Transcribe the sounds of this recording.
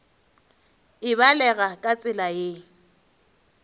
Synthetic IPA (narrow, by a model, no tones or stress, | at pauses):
ɪβalɛɣakʼat͡sʼɪlaje